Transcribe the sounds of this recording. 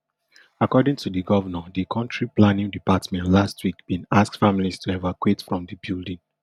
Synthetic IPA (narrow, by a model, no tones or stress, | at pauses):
akɔdĩŋtudiɡɔvənadikʰɔ̃ntɹiplanĩŋdipatmɛ̃ntlastʰwikb̥ĩnask̚tfamilistʰuɛvakwetfɹɔ̃mdibildĩŋ